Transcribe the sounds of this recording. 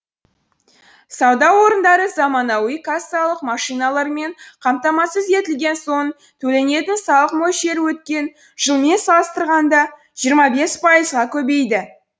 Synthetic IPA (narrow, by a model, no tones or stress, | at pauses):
sɑwd̪ɑwo̞ɾənd̪ɑɾəzɑmɑnɑwijkasɑlˠəqmɑʃijnɑlˠɑɾme̞ɴqʰɑmt̪ɑmɑsəzje̞t̪ɪlɡʲe̞nso̞ | t̪ʰɵle̞ne̞t̪ɪnsɑlˠəqmo̞jʃe̞ɾwɵt̪kʲe̞n | ʒəlˠme̞nsɑlˠəst̪əɾʁɑnd̪ɑ | ʒijəɾmɑbe̞spʰɑjəzʁɑkʲʰɵbe̞jd̪ɪ